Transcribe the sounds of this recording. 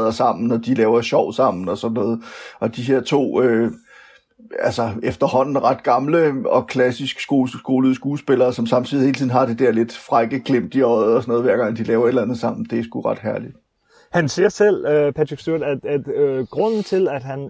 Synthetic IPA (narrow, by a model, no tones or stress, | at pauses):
ðˠɐsɑ̈m̰n̩ɒ̽d̥ilɛːʊɐɕɒʊ̰sɑ̈m̰n̩ɒ̽sɒ̽d̥nɔːð̩ˠʔɒ̽d̥iɦe̝ɐt͡sʰo̝̰ːø | ælsɒefd̥ɐɦɒ̽n̰n̩ʁɑ̈d̥ɡ̥ɑ̈mləɒ̽kʰlæsisɡ̥sɡ̥oɡ̥o̝ːlð̩ˠsɡ̥uːlsb̥e̝lɐːsɒ̽msɑ̈mt͡sʰið̰ihe̝ːlt͡sʰiðˠn̩ɦɑ̈d̥e̝d̥æɐ̰le̝d̥fʁɑ̈ɡ̥əɡ̥lem̰d̥iɒ̽ɪð̩ˠɒsɒnɔːðˠʋæɐ̰ɡ̥ɑ̈ŋd̥ilɛːʊɐe̝d̥lænð̩ˠsɑ̈m̰n̩d̥e̝sɡ̥uʁɑ̈d̥ɦæɐlid̥ | hænsiɐsel̰pʰæt͡sʰɡ̥syɐdæ̥æ̥ɡ̥ʁɔn̰n̩t͡sʰe̝læd̥hæn